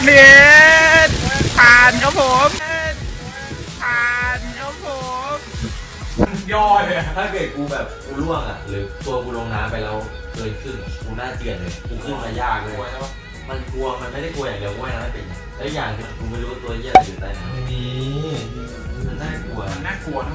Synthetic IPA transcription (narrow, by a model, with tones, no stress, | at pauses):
ne˨˦t̪t̪ʰaː˨˩nkʰaː˦˥pʰo˨˦m | t̪ʰaː˨˧˩nkʰaː˦˥p̚ʰo˨˩˦m˧ | jɔː˧˩jt̪ʰaː˥˩keː˨˩kuː˧bɛː˨˩p̚kuː˧lu˥˩əŋʔa̰˨˩lɤː˨˦jt̪u˧ɐkuː˧loː˧ŋnaː˧mpa˧jɾa˧w | kɤː˧˩t̪̚kʰɯ˥˩nkuː˧naː˥˩t̪ɯ˨˩ən˧˩t̪ʰu˨˧˩iː˦˧˩ŋʔa˧jaː˥˩t̚u˧˦waː˥˩t̪ʰːwa˥˩ | ma˧nku˧ɐma˧nma˥˩jda˥˩jku˧ɐjaː˨˩ŋdi˧əwkaː˧˦a˧˩˨a˧ma˧˩pe˧˩na˨˩ɛː˦˥jaː˨˩ŋt̪ʰi˧a˨˩kʰuː˧m˧˥˨lːwaː˧˥˩t̪u˧ɐ˧ji˧˩a˧˩uː˨˩t̪a˨˧˩ji˨˦˧ | ma˧nːaː˥˩ku˧ɐ˧nːaː˥˩ku˨˩ɐ